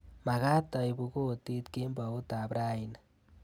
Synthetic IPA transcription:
ma˨ɣa˦ta˨i˨βu˨ɣo˦ti˦tke˦mba˨o˦ta˨βɾa˦i˨na

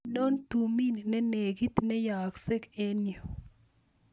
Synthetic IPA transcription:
no˦nt̪u˨mi˦n˨nɛ˦ne˨ɡi˦t̪nɛ˦ja˨kse˦ke˦njo˨

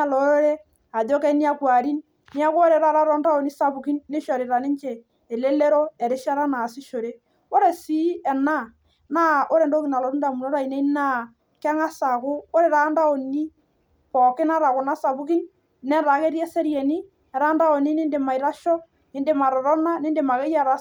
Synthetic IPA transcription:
a˨lɔ˨˦ɾe˦ | a˨ðo˦kɛ˦ni˦a˦kwa˨ɾi˦n | ni˦a˦kʊ˦o˦ɾe˨ɾa˦ɾa˦ɾɔ˦nda˦o˨ni˦sa˨bu˨ki˦nːe˦ʃɔ˨ɾɪ˨ɾa˨nɪ˦ɲt͡ʃeː˨ | le˦le˦ɾo˦ɛ˨ɾɪ˦ʃa˦ɾa˦na˨sɪ˦ʃo˨ɾe˦ | o˦ɾe˨si˦ɛ˨na˦˨ | na˦o˦ɾe˨ndo˦ki˨na˨lɔ˨ɾu˦nda˨mu˨no˦ɾa˦˨i˨ne˦i˦na˦ | kɛ˦ŋa˦sa˨kʊ˦o˦ɾe˨ɾa˦nda˦o˨ni˦ | pɔ˨kɪ˦na˦ɾa˨kʊ˨na˦sa˨bu˦k̬i˦n | nɛ˦ɾa˨ke˦ɾjɛ˦se˦ɾje˨ni˦ | ɛ˨ɾa˦nda˦o˨ni˦nɪ˦nde˨ma˨i˨ɾa˦ʃɔ˦ | ɪ˨nde˨˦ma˨ɾɔ˨ɾɔ˦na˦nɪ˦nde˨ma˨ke˦ja˦ɾa˦

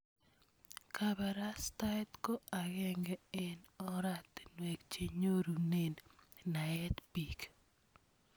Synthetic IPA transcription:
kaba˨ɾa˦sta˦ɛ˦tko˦a˨ɣɛ˦ŋɡɛɛ˨nɔ˦ɾa˦tnwɛ˨kt͡ʃe˨ɲo˦ɾu˨ne˨nna˨ɛ˦t̪pik

